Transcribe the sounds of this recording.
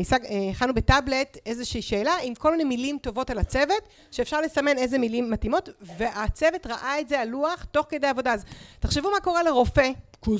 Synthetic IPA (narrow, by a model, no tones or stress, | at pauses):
isaɡχanubetable̞te̞zeʃiiʃe̞ːlaimko̞lminemilimto̞vo̞talat͡se̞vet | ʃeːfʃaʁle̞same̞ne̞jzemilimːatimo̞tve̞ʔat͡se̞vetʁaʔae̞tzealuaχto̞χked̪ejavo̞daazteχʃevumako̞ʁeleʁo̞fe